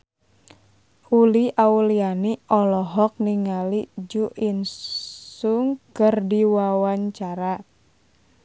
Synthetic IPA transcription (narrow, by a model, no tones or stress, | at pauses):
ʔuliʔaulianiʔɔlɔɦɔk̚niŋalid͡ʒuʔinsuŋkərdiwawaɲt͡ʃaɾa